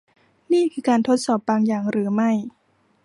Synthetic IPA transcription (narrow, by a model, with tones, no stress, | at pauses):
niː˥˩kʰɯː˧kaː˧nt̪ʰo˦˥t̪̚sɔː˨˩p̚baː˧ŋjaː˨˩ŋɾɯː˩˦ma˥˩j